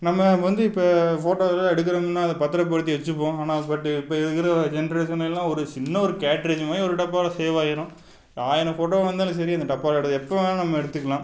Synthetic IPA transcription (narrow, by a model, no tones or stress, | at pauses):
nɐmːɐʋɐnd̪ɯɪpːɐfoːʈoːɐlːãːɛɽɯk̬ːɐɾɐmɐnːaːɐðɐpɐt̪ːɪɾɐp̬ːɔɽɯt̪ːiʋɛt͡ʃːɯpːõːaːnaːpɐʈːɯɪpːɐːɛðɯkːɪɾɐd͡ʒɛnɾeːʃɐnɛlːãːɔɾɯt͡ʃɪnːɐɔɾɯkaːʈɾeːd͡ʒmaːjiɔɾɯʈɐpːaːlɐseːʋaːjɪɾʊ̃ː | aːjɪnɐfoːʈoːʋɐnd̪aːlɐ̃s̬ɐɾiɐnd̪ɐʈɐpːaːlɐɛɽɯðɯɛpːoʋelɐnɐmːɐɛɽɯt̪ːɯkːɐlãː